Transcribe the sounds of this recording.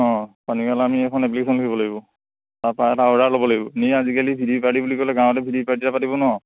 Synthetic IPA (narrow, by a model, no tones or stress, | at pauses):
ɔ̃panikalaamiɛkʰɔnɛp̬likesʰɔnlukʰibɔlaɡibɔ | taɹpaɛtaɔɹalobɔlaɡibɔniazikalibʱidipatibulikɔlɛɡãw̃ɔtɛbʱidipaɹtitapatibɔnɔ